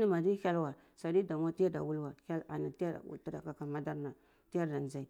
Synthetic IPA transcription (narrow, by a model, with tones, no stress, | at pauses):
ni˦ma˨di˦hʲa˦lwa˨ | sa˨di˦da˨ma˦ti˦a˦da̰˨wu˦lwa˨ha˦la̰˨na˨ti˦ja˦da̰˨wṵ˨lta˦da˨ka˦ka˨ma˦da˦ɾna˨ | ti˦ja˦ɾda˨n˨za˦i˨